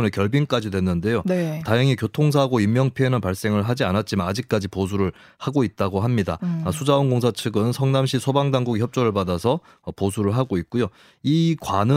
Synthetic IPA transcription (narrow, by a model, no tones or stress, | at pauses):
nekjʌɭbink͈ad͡ʑidwe̞nːɯnde̞jonetaɦjaŋikjotʰoŋs̬ʰaɦɡoimːjʌŋpʰienɯnpaɭs͈e̞ŋɯɭɦad͡ʑianat̚t͡ɕ͈imanad͡ʑik̚k͈ad͡ʑiposʰuɾɯɭ | haɡoit̚t͈aɡoɦamɲida̰sʰud͡ʑaonɡoŋs̬ʰat͡ɕʰɯɡɯnsʰʌŋnamɕʰisʰobaŋdaŋɡuɡiçjʌp̚t͡ɕ͈ʌɾɯɭpadasʰʌː | posʰuɾɯɭɦaɡoit̚k͈ujo | ikwanɯ